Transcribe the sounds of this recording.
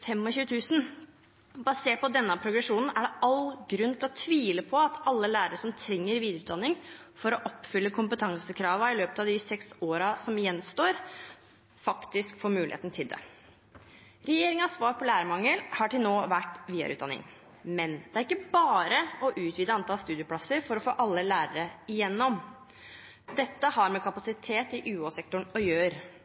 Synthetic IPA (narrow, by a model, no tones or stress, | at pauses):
fɛmːɔçʉːət̪ʰʉːsn̩ | bɑseːʈ̚pɔd̪ɛnːəpʰɾʊɡɾɛʂuːnn̩æɖɛɑlɡɾʉnt̪ʰɪlɔt̪ʰʋiːləpʰɔɑt̪ʰɑlːəlæːɾəʂɔmt̪ʰɾɛŋːəɾʋiːd̪əʉːt̪d̪ɑnːɪŋ | fɔɾɔʔɔpːfʏlːəkʰʊmpət̪ʰɑŋsəkʰɾɑːʋɑɪløːpət̪ɑʋd̪ɪsɛksoːɾɑsɔmjɛnst̪oːɾ | fɑkt̪ɪskfoːɾmʉːlɪ̰ḛːt̪nət̪ʰɪld̪ɛ̰ | ɾɛjeːɾɪŋəɑsʋɑːɾpʰɔlæːɾəmɑŋːəlhɑʈɪlnoːʋæʈːʋiːə̰ɾʉ̰t̪ɑ̰nːɪ̰ŋ | mɛnd̪ɛæɾɪkːəbɑːɾəɔʔʉːt̪ʋiːd̪əɑnt̪ɑlst̪ʉːd̪ɪʊpʰlɑsəɾfɔɾɔfoːʔɑlːəlæːɾəɾəɪjɛnːɔm | d̪ɛt̪ːəhɑɾmɛkʰɑpɑsɪt̪ʰeːt̪ɪʔʉːoːsɛkt̪ʊɳɔjøːɾ